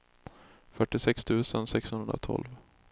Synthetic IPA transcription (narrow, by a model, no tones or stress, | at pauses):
fœʈːɪsɛkst̪ʰʉ̟ːsənsɛkshɵnɵnd̪ɾa̰t̪ʰɔ̰lv